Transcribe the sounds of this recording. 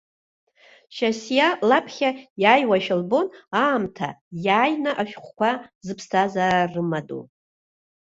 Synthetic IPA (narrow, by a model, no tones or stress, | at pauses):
ʃasjalapʰχʲajaːjwaʃalbo̞naːmtʰa̰jaːjnaʔaʃᶣχʷkʷazɨpʰstʰazararɨmadṵ